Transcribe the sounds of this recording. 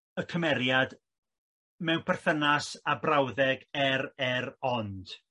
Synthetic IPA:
əkʰəmɛɾjad | mɛwpʰɛrθənasabrawðɛɡɛɾɛɾɔnd̥

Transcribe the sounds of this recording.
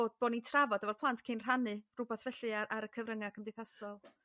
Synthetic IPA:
oːd̚b̥oːnintʰravɔdavɔrpʰlˠantʰkʰinr̥anɨrʊbaθvɛɬɨaʔaɾəkʰəvrəŋakʰəmdejθasɔlˠ

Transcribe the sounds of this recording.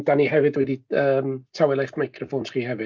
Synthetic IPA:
d̥aniɦɛvɨdwɛdiəːmtʰawɛlˠajχmajkʰrɔfonsχiːhɛvɨ

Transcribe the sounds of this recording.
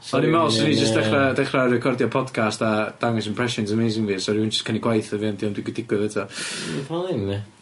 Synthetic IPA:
ɔnimɛlˠsɔnid͡ʒəstd̥ɛχradɛχrarɛkʰɔrdjɔpʰɔdkʰastad̥aŋɛs̬ənmpʰr̥ɛsɪns̬əmejzɪŋvisɔɾind͡ʒəskʰəniɡwajθəviandiɔmdwɪɡwdɪɡwɪðɛtʰɔvalˠɪnːɛ

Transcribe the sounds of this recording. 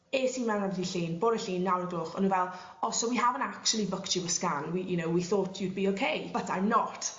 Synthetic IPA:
eːsiːnmɛwnanvədiɬiːnboːɾəɬiːnːawɾəɡlˠʊχɔ̰nũnvɛlˠ | ɔsɔwiɦavə̃nakt͡ʃulˠibəkt͡ʃɪwəskanwijunowwiθoːtʰjud̚biokʰejb̥ətʰanɔtʰ

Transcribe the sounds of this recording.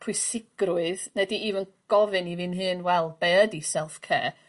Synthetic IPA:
pʰʊɨsɪɡ̥rʊɨðnɛdiivən | ɡ̥ɔvɨnivɨnɦɨːnwɛlˠb̥eədisɛlˠfkʰḛː

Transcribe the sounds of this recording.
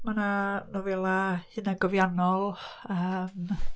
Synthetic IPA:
mananovɛlˠahɨnaɡɔvjanɔlˠəːm

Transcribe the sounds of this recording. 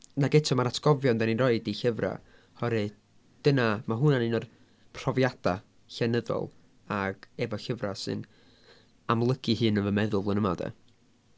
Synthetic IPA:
naɡɛtʰɔmaɾatʰɡ̥ɔvjɔndɛninrɔɨdiɬəvra̰ | hɔɾɨ | d̥ənamaɦʊnanɨnɔr | pʰr̥ɔvjad̥a | ɬɛnəðɔ̰lˠ | aɡ̥ɛvɔɬəvrasɨ̰n | amlˠəɡ̥ɨhɨːnəvəmɛðʊlˠvlˠənəmadɛ̰

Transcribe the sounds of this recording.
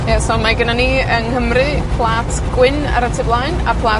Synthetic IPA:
jɛsɔmaɡənaniːəŋhəmrɨ | pʰlˠaːtʰɡ̥wɪna̰ɾatʰɪblˠaɨnapʰlˠaː

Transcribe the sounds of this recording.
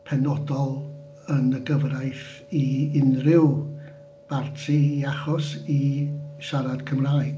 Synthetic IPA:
pʰɛnɔdɔlˠ | ənəɡəvrajθ | iɪnrɪw | b̥artʰiiaχɔsiʃaɾad̥kʰəmraːjɡ

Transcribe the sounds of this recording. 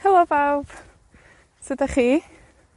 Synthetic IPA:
hɛlˠɔvawb̥ | sədaχiː

